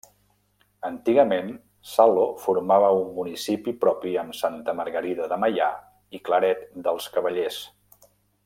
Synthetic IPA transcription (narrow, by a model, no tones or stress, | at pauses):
ənt̪iɣəmen | salofuɾmaβ̞əumːunisipipɾɔpiəmsant̪əməɾɣəɾiðəðəməja̰ | ikləɾɛt̪d̪əlˠskəβəʎes